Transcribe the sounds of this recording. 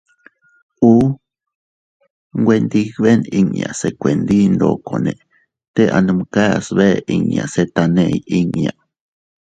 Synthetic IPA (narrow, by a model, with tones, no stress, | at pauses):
u˦ | ŋɡʷe˧nd̪i˧kβe˦ni˧ŋja̰˨se˨kʷe˨nd̪i˦nd̪o˧ko˨nẽ˨ | t̪e˦ʔa˨nɨ˧mka˦ja˨sβe˦ʔi˧ŋja̰˨se˦t̪a˧nẽʔji˦ŋja˨